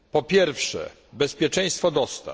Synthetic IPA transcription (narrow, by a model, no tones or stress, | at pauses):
pɔpʲjɛɾfʂɛ̰ | bɛspʲjɛt͡ʂɛ̃j̃st̪fɔd̪ɔst̪a̰